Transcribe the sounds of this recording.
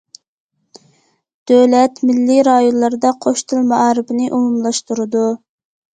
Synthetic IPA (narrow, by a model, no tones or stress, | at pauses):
d̪̥øwlɛt̪mɪlːiɾɑjonlˠɑɾɨd̪ɑqʰoʃt̪ʰɨlˠmɑɑɾɪbɪnɪʔumumlˠɑʃt̪uɾɨd̪u